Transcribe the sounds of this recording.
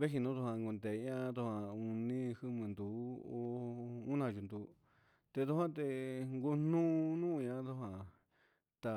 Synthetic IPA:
βe˦ɦi˧nũ˦t̪u˧hã˧ŋɡu˧nd̪e˨˧ɲã˦t̪u˧hã˧u˧nĩ˦hɨ˧mɨ̃˨nd̪u˨˦o˧u˦nã˧˨ʒu˧nd̪u˨˦ | t̪e˧t̪u˧hã˦t̪e˧ŋɡu˧nũː˦˧nũ˦˧ɲã˦t̪u˧hã˨ | t̪a˧

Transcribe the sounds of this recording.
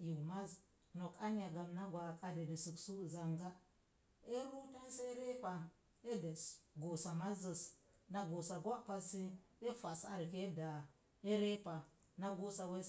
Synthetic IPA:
ji˨ma˦z | no˨ka˦ɲ˦a˨ɡa˨mna˦ɡwa˨ka˦de˨di˨su˨ksu˦˨za˨ŋɡa˦ | e˦ɾu˦te˦n˦se˦ɾe˦pa˨ | e˦de˨sɡo˨sa˨ma˦zə˨s | na˦ɡo˨sa˨ɡʷa˦pa˦si˦e˦fa˨sa̰˨ɾke˦da˨ | e˦ɾe˦pa˨ | na˦ɡo˦sa˨we˦

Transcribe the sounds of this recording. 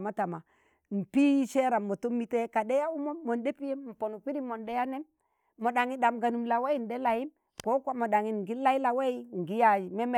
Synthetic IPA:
ma˦ta˨ma˨ | m̩˨pi˦ʃe˦ɾa˨mːo˨to˦mi˦te˦ka˨de˦ja˦u˦moː˦o˨nde˦pi˦je˦mm̩˨po˨nu˨pi˦ɾi˦mo˨nde˦ja˦ne˦mː | o˨ɗa˨ŋi˦da˨mɡa˨nu˨mla˨we˦i˨n˨de˦la˨ji˦m | ko˦kʷa˦mo˨ɗa˨ŋi˨ɡi˦la˦i˦la˨we˦i˦ŋ˨ɡi˦ja˨i˨me˦me˨

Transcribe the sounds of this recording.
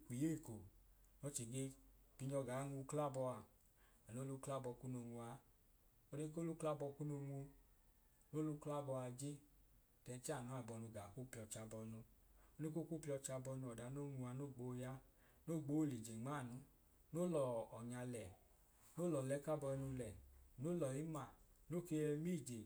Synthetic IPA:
kʷi˨je˦˨ko˨ | nɔ˧˦t͡ʃe˨ɡe˧˦pi˧ɲɔ˧ɡa˨˦ŋu˧kla˦bɔ˧a˧ | a˨no˦lu˦˧˦kla˦bɔ˧ku˦no˧ŋu˧a˧ | o˧de˧˦k̬o˦lu˦kla˦bɔ˧ku˦no˧ŋu˧ | no˦lu˧˦kla˦bɔ˧a˧d͡ʒe˦ | tɛ˨˧n˦t͡ʃa˦˨nu˨˦a˨bɔ˧nu˧ɡa˨ku˦pi˧ɔ˧t͡ʃa˧bɔ˧nu˧o˧˦ne˦ko˦ku˦pi˧˦ɔ˧t͡ʃa˧bɔ˧nu˧˨ɔ˨da˧˦no˦˨˦ŋu˧a˧no˦˨ɡ͡bo˨˦ja˦ | no˦˨ɡ͡bo˨˦˨li˨d͡ʒe˨ŋ͡ma˦˨nu˧ | no˦lɔ˨ɔ˨ɲa˧lɛ˨ | no˦lɔ˨lɛ˨˦ka˦bɔ˧nu˧lɛ˨no˦lɔ˨i˨˦ma˨no˦˨ke˧ɛ˧mi˦˨d͡ʒe˨

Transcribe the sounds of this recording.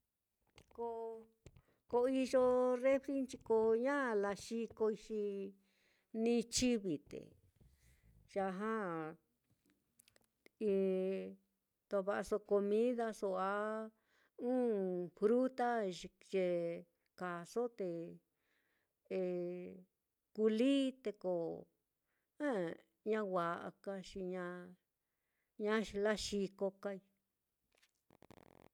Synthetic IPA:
ko˧ | ko˧i˧ʒo˧re˦fɾi˦nt͡ʃi˧ko˧ɲã˦˧la˧ʃi˧ko˧i˧ʃi˧ | nĩ˧t͡ʃi˦βi˨t̪ḛ˨ | ʒ̥a˧ɦã˦ | ĩ˧ | t̪o˧βa˧ʔa˧so˧ko˧mĩ˦ða˧so˧a˧˦ | ũː˦fɾu˦t̪a˦ʒi˧ʒe˧ | ka˨so˦t̪e˧ | e˧ | ku˧li˦t̪e˧ko˨ | ã˦ | ɲã˦wa˨ʔa̰˧ka˧ʃi˧ɲã˧ | ɲã˦ʃi˧la˦ʃi˧ko˧ka˧i˧

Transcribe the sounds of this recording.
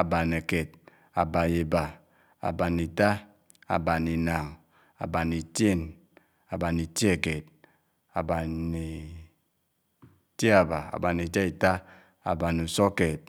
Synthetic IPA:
a˨ba˨ne˨ke˨t | a˨ba˨je˨ba˨ | a̰˨ba˨ni˨ta˦ | a̰˨ba˨ni˨na˨ŋ˨ | a̰˨ba˨ni˨te˦˨n | a˨ba˨ni˨tje˨ke˨d̚ | a˨ba˨ni˨ | te˦a˨ba˨a̰˨ba˨ni˨ta˦i˨ta˦ | a̰˨ba˨nu˨so˦ke˨t̚

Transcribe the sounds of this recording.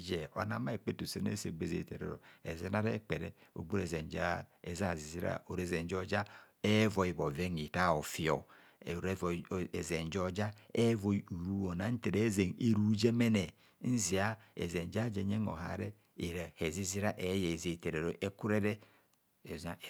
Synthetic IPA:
d͡ʒe˨o̰˨na˨˦ma˦e˨k͡pe˦tu˨se˦n˦ḛ˦se˨ɡ͡be˦˨zḛ˨te˨ɾḛ˨ɾo̰˨e˨ze˦na˦ɾḛ˦k͡pe˨ɾe˦o̰˨ɡ͡bu˦ɾe˨ze˨nd͡ʒa̰˦ḛ˨za˦˨zi˨zi˦ɾa̰˦o˨ɾe˨ze˨nd͡ʒo˦d͡ʒa˦ | e˦vo˨i˨bo˨ve˦ŋi˨ta˦o˨fi˦o˨ | ɾe˨ze˨n˨d͡ʒo˦d͡ʒa˦e˦vo˨u˨ɾu˦o˨na˨˦n̩˦te˨ɾe˦ze˨ŋe˦ɾu˦d͡ʒe˦me˦ne˨ | n̩˦zi˨a˦ḛ˨ze˨n˨d͡ʒa˦d͡ʒe˨ɲe˦ŋo̰˨ɦa̰˨ɾe˦ | i˨ɾa˨he˨zi˦zi˦ɾa˦ʔe˨˦je˨ze˨te˨ɾe˨ɾo˨ʔe˦ku˦ɾe˦ɾe˦ | e˨za˨

